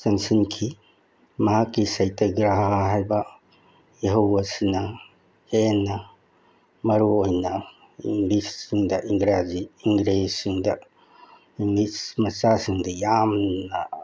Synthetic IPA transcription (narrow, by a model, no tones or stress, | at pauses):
seŋsinkʰi | mɐɦakːisajtʰaɡɾaɦɦajbɐ | eɦɐwɐsinɐ | henːɐ | mɐɾuojnɐ | iŋɡlisːiŋdɐʔiŋɡɾaziːŋɡɾesːiŋdɐ | iŋɡlismɐsasiŋdɐjamnɐ